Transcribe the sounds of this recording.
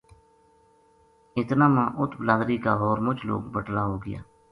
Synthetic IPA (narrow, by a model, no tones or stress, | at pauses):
ɪt̪naːmãːʔʊt̪ʰbəlaːd̪ɾiːkaːɦoːɾmʊt͡ʃlo̰ːkbəʈlaːɦoːɡɪja̰ː